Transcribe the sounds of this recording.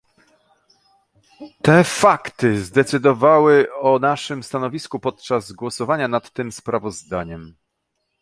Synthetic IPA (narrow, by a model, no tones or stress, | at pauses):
t̪ɛfakt̪ɘzd̪ɛt̪sɘd̪ɔvawɘɔnaʂɘmst̪anɔvʲiskupɔt̪̚t͡ʂazɡwɔsɔvaɲanat̪ːɘmspɾavɔzd̪aɲɛm